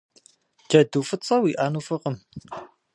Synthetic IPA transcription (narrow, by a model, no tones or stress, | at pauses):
d͡ʒɐduːfɨt͡sʼɐwiːʔaːnufɨqəm